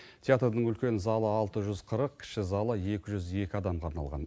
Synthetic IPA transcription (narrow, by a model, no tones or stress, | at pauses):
t̪ʰʲjat̪rd̪əɴʏlkʲe̞nɪzɑlˠəɑlˠt̪əʒʏzqʰəɾəq̚kʲʰɪ̥ʃɪzɑlˠəje̞kʲɪʒʏze̞kʲɪɑd̪ɑmqʰɑɾnɑlˠʁɑ̰n